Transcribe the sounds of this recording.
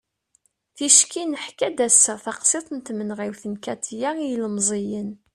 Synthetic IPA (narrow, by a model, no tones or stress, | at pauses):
θiʃkinəħkæd̪æsːəθɑqsˤet̪ˤənt̪mənʁiwθənkæt̪ʰjæijləmzˤijən